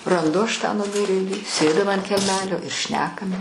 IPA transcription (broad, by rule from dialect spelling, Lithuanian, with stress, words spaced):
rɐnˈdʊ ɐʃ tɑː nʊˈmʲɪrʲeːlʲiː ˈsʲeːdʲɪm ɐnt kʲɛlʲˈmʲæːlʲoː ɪr ˈʃʲnʲæːkɐm